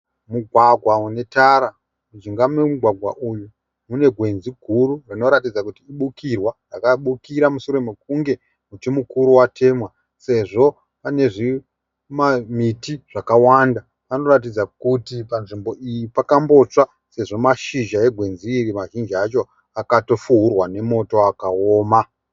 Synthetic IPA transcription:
muɡʱwaɡʱwaune̞taɾa | mud͡ʒiŋɡamunemuɡʱwaɡʱwa̰ʔuju | mune̞ɡʱwe̞nziɡʱururino̞ɾat̬id͡zakutiːɓukirwarakaɓukiɾamusoɾomek̚uŋɡe̞ | mut͡ʃemukuɾuwatʰe̞mwa | se̞ʐo̞ | pane̞ʐi | mamitiʐ̥akawanda | pano̞rat̬id͡zakutipanʐimbo̞ʔijipakambo̞t͡sa | se̞ʐo̞maʃiʒae̞ɡʱwe̞nziːrimaʒind͡ʒiat͡ʃo̞ | akato̞fuɦurwane̞mo̞to̞akaoːma

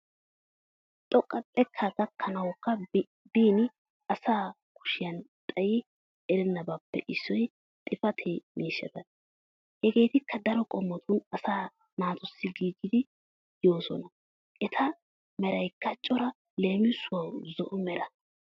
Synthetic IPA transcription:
t̪ʼɔkʼːɐtʼɛkʰːaɡɐkʰːɐnɐwɔkːɐ | biːnɪ | ɐsaː | kʊ̥ʃɪjɐnt̪ʼɐjɪ | ɛɾɛnːɐbɐpːɛ̰ʔɪsːɔj | t̪ʼɪfɐt̪ʰemiːʃːɐt̪ɐ | hɛɡe̞ːt̪ɪkʰːɐd̪ɐɾɔkʼɔmːɔt̪ʰʊnɐsaː | naːt̪ʊsːɪɡiːɡːɪd̪ɪ | jo̞ːsɔ̰nɐ | ʔɛt̪ʰɐ | mɛɾɐjkːɐt͡ʃʼɔɾɐ | le̞ːmɪsʊɐwzɔʔʊmɛɾɐ

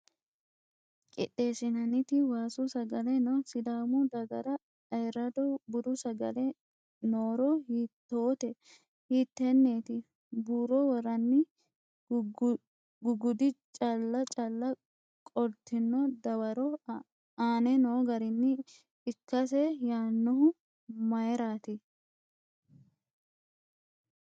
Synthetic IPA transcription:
kʼɪ̰ᶑeːsɪnɐnɪt̪ɪwaːsʊsɐɡɐlɛnɔsɪd̪aːmʊd̪ɐɡɐɾɐ | ɐjɾɐd̪ɔbʊd̪ʊsɐɡɐ̰lɛ | noːɾɔhiːt̪ːo̞ːt̪ɛ | hiːt̪ːɛnːeːt̪ɪ | buːɾɔwɔɾɐnːɪ | ɡʊɡʊd̪ɪt͡ʃʼɐlːɐt͡ʃʼɐlːɐ | kʼɔɾt̪ɪnːɔd̪ɐwɐɾɔ | aːnɛnoːɡɐɾɪnːɪ | ɪkːɐs̬ɛjaːnːɔɦʊ | mɐjɾaːt̪ɪ

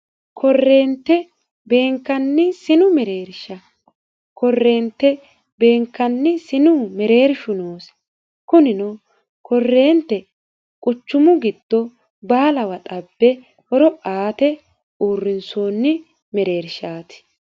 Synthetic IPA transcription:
kʰɔrːe̞ːnt̪ːɛ | be̞ːŋkːɐnːɪsɪnʊmɛɾe̞ːɾʃɐ | kɔrːe̞ːnt̪ːɛ | be̞ːŋkːɐnːɪsɪnʊmɛɾe̞ːɾʃʊnoːs | kʊnɪnɔ | kɔrːe̞ːnt̪ːɛ | kʼʊt͡ʃːʊmʊɡɪd̪̥ːɔ | baːlɐwɐt̪ʼɐbːɛ | hɔɾɔaːt̪ɛ | uːrːɪnsoːnːɪ | mɛɾe̞ːɾʃaːt̪ɪ̥

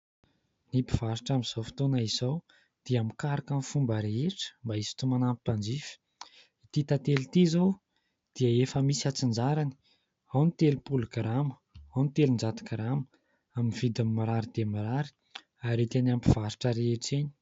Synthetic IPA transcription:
nipi̥v̥aɾiʈ͡ʂamiz̥ofi̥t̪onəizow | d̪̥iamikaɾakanfumbəɾeeʈ͡ʂə̥mbaisi̥t̪umanampipand͡zifi̥ | it̪it̪at̪elit̪izow | d̪̥iəefəmisiat͡sind͡ʒaɾani̥ | awnit̪elupulɡɾamə | awnit̪elund͡ʒat̪i̥kɾamə | aminiv̥id̪amimaɾaɾid̪̥emiɾaɾi̥ | aɾit̪enampiv̥aɾiʈ͡ʂəɾeeʈ͡ʂeɲi̥

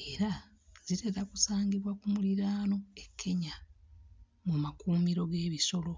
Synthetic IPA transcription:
e̞ɾa | zite̞ɾakusaːɲɟiβwakumuliɾaːno̞e̞kʰːe̞ɲa | mumakuːmiɾo̞ɡe̞ːβiso̞lo̞

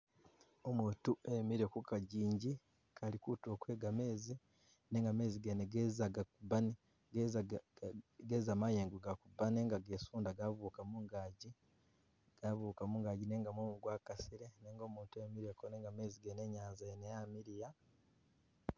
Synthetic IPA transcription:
omuːtuʔemiɾe̞kukaɟiːɲɟi | kʰalikuto̞ːkwe̞ːɡame̞ːzi | ne̞ːŋɡame̞ːziɡeneɡezaɡakubane | ɡez | ɡeːzamajeːŋɡuɡakubaneːŋɡaɡe̞ːsuːndaɡavuːkamuŋɡaɟi | ɡ̥avuːkamuŋɡaːɟine̞ːŋɡamumuɡwaːkasiɾe̞neːŋɡo̞ːmuːntue̞miɾekoneːŋɡame̞ːziɡene̞ɲaːnzaenejaːmiɾija

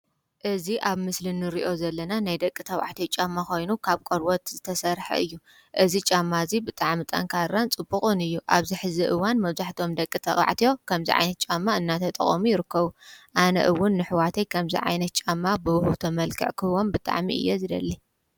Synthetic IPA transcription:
ʔɨziʔaβmɨslɨnːɨɾiʔo̞zɐlːɐnanajd̪ɐkʼːit̪ʰɐwa̰ʕt̪ʰijot͡ʃʼamːaxo̞jnukʰaβkʼoɾwot̪zɨt̪ʰɐsɐɾħɐ̰ɨjːu | ʔɨzit͡ʃʼamːazibɨt̪ʼaʕmit̪ʼɐ̰ŋkʰarːant͡sʼɨbːɨχʼɨnɨjːuʔa̰βziħɨziʔɨwanmɐβzaħt̪ʰo̞md̪ɐkʼːit̪ʰɐʔʼa̰ʕt̪ʰijo̞kʰɐmzḭʕa̰jnɐt̪̚t͡ʃʼamːaɨnːat̪ʰɐt̪ʼɐ̰χʼɐmujɪɾɨkʰːɐβuʔanɐ̰ʔɨwːʊnːɨħwat̪ʰejkʰɐmzḭʕa̰jnɐt̪̚t͡ʃʼamːabɨwhut̪ʰɐmɐlkʰɨ̰ʕkʰɨwonbɨt̪ʼa̰ʕmḭʔɨ̰jːozɨd̪ɐ̰lːi

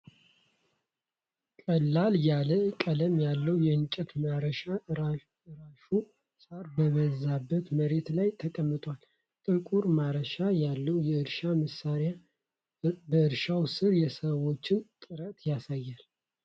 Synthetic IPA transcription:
kʼəlːaljaləkʼələmjalːəwjɛɨɲt͡ʃʼɛt̪maɾəʃa | ɨɾaʃu | sʼaɾbəβəzabːət̪məɾe̞t̪lajt̪ʰəkʼəmːɨt̪ʼwal | t̪ʼɨkʼuɾmaɾəʃajalːəwjɛɨɾʃaməsaɾja | bəɨɾʃawsɨɾjɛsəwo̞t͡ʃːɪnt̪ʼɨɾət̪jasajːal

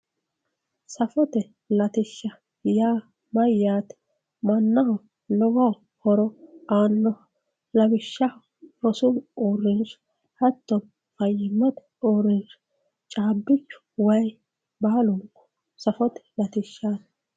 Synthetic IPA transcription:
sɐfɔt̪ɛ | lɐt̪ɪʃːɐ | jaː | mɐjaːt̪ɛ̥ | mɐnːɐhɔ | lɔɡɐw | hɔɾɔaːnːɔ | lɐbɪʃːɐ | ɾɔsʊɡoːrːɪnʃ | hɐt̪ːɔm | fɐjɪmːɐt̪ɛ̥ | oːrɪnʃ | t͡ʃʼaːbːɪt͡ʃːʊ̥wɐj | baːlʊŋkːɔ̥ | sɐfɔt̪ɛ̥lɐt̪ɪʃːaːt̪

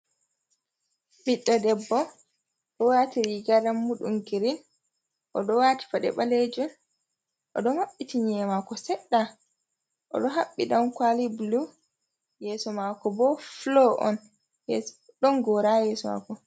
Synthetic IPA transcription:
biɗːɔdɛbːɔ | ɗɔwaːtiɾiɡaɾamːuɗṵŋɡiɾin | ʔɔɗɔwaːti̥faɗɛ̰ɓaled͡ʒɔn | ʔɔ̰ɗɔmaɓːitiɲɛmakɔsɛɗːa | ʔɔ̰ɗɔɦaɓːiɗamkwalibulu | jɛsɔmakɔbɔflɔʔɔ̰n | jɛ | ɗɔnɡɔɾajɛːsɔma̰kɔ

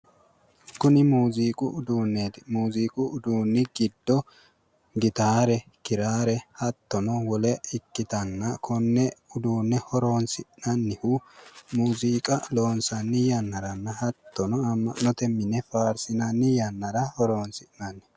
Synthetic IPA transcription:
kʊnɪmuːziːkʼʊʊd̪uːnːed̪muːziːkʼʊʊd̪uːnːɪɡɪd̪ːɔ | ɡɪt̪aːɾɛkɪɾaːɾɛhɐt̪ːɔnɔwɔlɛɪkːɪt̪ɐnːɐkʰʊnːɛʊd̪uːnːɛhɔɾo̞ːnsɪʔnɐnːɪhuːmuːziːkʼɐlo̞ːnsɐnːɪjɐnːɐɾɐnːɐhɐt̪ːɔnɔɐmːɐnːɔt̪ɛmɪnɛfaːɾsɪnɐnːɪjɐnːɐɾɐhɔɾo̞ːnsɪʔnɐnːɛ

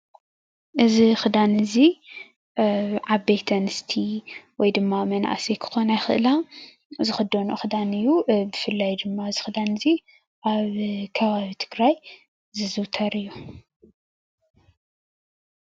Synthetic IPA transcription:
ʔɨzixɨd̪anɨzi | ʕabejt̪ʰɐnɨst̪ʰiwɔjd̪ɨmːamɐna̰ʔsekʰɨ̥xonajxɨ̰ʔɨla | zɨxɨd̪onuxɨd̪anɨjːubɨfɨlːajd̪ɨmːaɨzɨxɨd̪anɨzi | ʔaβkʰɐβaβit̪ʰɨɡɾaj | zɨzɨwt̪ʰɐɾɨjːu

